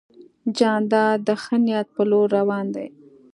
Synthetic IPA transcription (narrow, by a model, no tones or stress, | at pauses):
d͡ʒɑnd̪ɑd̪əxənjat̪̚pəloɾːawɑnd̪a̰j